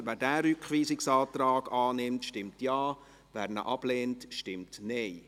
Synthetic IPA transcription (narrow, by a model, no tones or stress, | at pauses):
ʋæːɾdæːɾʏkχʋiːsɪksɑːt̪ɾɑːɡ̥ɑːnɪmtʃtɪmtjɑː | ʋæːɾnə̰ʔɑb̥leːntʃtɪmtneɪ